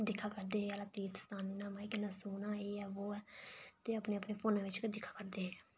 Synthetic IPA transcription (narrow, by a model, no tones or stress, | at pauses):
d̪ɪkʰːaːkəɾd̪eːɦeːalaːt̪iːt̪st̪aːniːnãːmaːɪkɪnasoːnãːeːɛːʋoːɛːt̪eːəpneːəpneːpʰoːnãːʋɪt͡ʃd̪ɪkʰːḁːkəɾd̪eːɦeː